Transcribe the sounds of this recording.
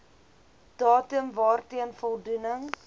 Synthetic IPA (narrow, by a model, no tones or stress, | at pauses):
d̥ɑːtəmvɑːrtiənfɔlˠdunəŋ